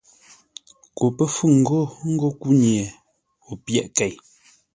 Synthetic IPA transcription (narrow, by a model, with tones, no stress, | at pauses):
ko˨pə˦fu˦˨ŋ̩˨ɡo˦˨ŋ̩˦ɡo˦˨ku˦ɲje˨ | o˨pjɛ˦˨ʔkɛ˨j